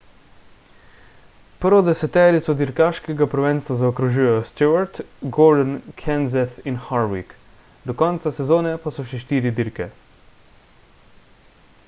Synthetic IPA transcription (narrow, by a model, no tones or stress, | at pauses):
pəɾʋɔd̪ɛsɛt̪ɛːɾit̪sɔd̪iɾkaʃkɛɡapɾʋɛnst̪ʋazaɔkɾuʒuːjɛjɔst̪juaɾt̪ɡɔɾd̪ənkʰɛnzɛθinxaɾwḭk | d̪ɔkɔnt̪sasɛzoːnɛpasɔʃɛʃt̪iːɾid̪iɾkɛ